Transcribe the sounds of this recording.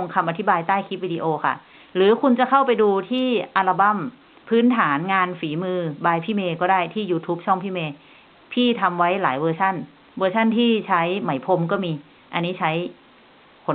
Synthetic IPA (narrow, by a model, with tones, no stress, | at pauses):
ŋkʰa˧mʔa˧t̪ʰi˦˥baː˧jt̪aː˥˩jkʰiː˦˥p̚wiː˧diː˧ʔoː˧kʰa̰˥˩ | lɯː˩˦kʰu˧nt͡ɕa˧˦kʰa˥˩wpa˧jduː˧t̪ʰiː˥˩ʔaː˧la˧ba˥˩m | pʰɯː˦˥nt̪ʰaː˩˦nŋaː˧nfiː˩˦mɯː˧baː˧jpʰiː˥˩meː˧kɔː˥˩daː˥˩jt̪ʰiː˥˩juː˧t̪ʰuː˦˥p̚t͡ɕʰɔ˥˩ŋpʰiː˥˩meː˧ | pʰiː˥˩t̪ʰa˧mwa˦˥jlaː˩˦jwɤː˧sʰa˥˩n | wɤː˧sʰa˥˩nt̪ʰiː˥˩t͡ɕʰa˦˥jma˩˦jpʰo˧mkɔː˥˩miː˧ | ʔa˧nːiː˦˥t͡ɕʰa˦˥j | kʰo˩˦